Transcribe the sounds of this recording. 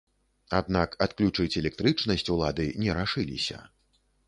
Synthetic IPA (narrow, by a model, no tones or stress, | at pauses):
ad̪nakat̪klʲut͡ʂɨt͡sʲɛlʲɛk̚t̪ɾɨt͡ʂnɐsʲt͡sʲulˠad̪ɨnʲɛɾaʂɨlʲḭsʲɐ̰